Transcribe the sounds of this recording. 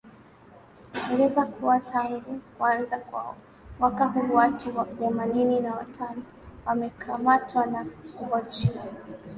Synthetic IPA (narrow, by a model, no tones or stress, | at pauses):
kuŋɡɛzakuwatʰaŋɡukanzakwa̰ɔ | mwakaɦuwatuwaðɛmanininawatʰanɔ | wamɛkʰamatʰwanakuvɔt͡ʃia